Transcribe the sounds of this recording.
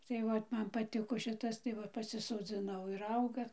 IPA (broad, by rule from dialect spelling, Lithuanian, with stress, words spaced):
tɐɪ ˈʋɐt ˈmɐn pɐˈtʲɪkoː ˈʃʲɪtɐs tɐɪ ˈʋɐ pɐsʲɪsoːˈd͡zʲɪnɐʊ ɪr ˈɐʊɡɐ